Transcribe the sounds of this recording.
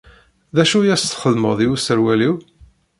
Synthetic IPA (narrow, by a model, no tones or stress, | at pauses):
ðæʃujæst̪χəlməðˤiwusəɾwæliw